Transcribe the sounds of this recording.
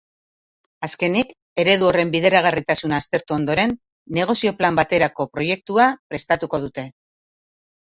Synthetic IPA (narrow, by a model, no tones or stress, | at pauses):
aske̞nik | e̞ɾe̞ðuo̞re̞mbiðe̞ɾaɣ̞arit̪asunaːst̪e̞ɾt̪uo̞nd̪o̞ɾe̞nː | e̞ɣ̞o̞sio̞plambat̪e̞ɾako̞pɾo̞je̞k̚t̪uapɾe̞st̪at̪uko̞ð̞ut̪e̞